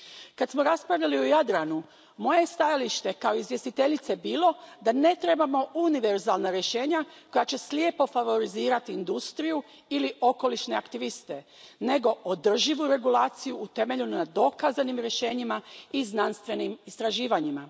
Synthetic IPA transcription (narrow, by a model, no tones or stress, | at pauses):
kad̪smo̞ɾaspɾaʋʎaliojad̪ɾanu | mo̞je̞st̪ajaliʃt̪e̞kao̞izʋje̞st̪it̪e̞ʎit̪se̞biːlo̞d̪ane̞t̪ɾe̞bamo̞uniʋe̞ɾzalˠnaɾje̞ʃe̞ːɲako̞jat͡ɕe̞sljepo̞faʋo̞ɾiziːɾat̪iːnd̪ust̪ɾiju | iliʔo̞ko̞liʃne̞akt̪iʋist̪e̞ne̞ɡo̞ʔod̪r̩ʒiʋuɾe̞ɡulaːt̪sijuːt̪e̞me̞ʎunad̪o̞kazanimɾje̞ʃe̞ːɲimaiznanst̪ʋe̞nimist̪ɾaʒiːʋaɲima